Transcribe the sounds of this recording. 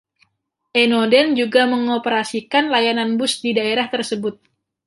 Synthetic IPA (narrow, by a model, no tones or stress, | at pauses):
ʔenodɛnd͡ʒuɡaməŋopəɾasikanlajananbʊsdidaeɾaht̪ərsəbʊt̪̚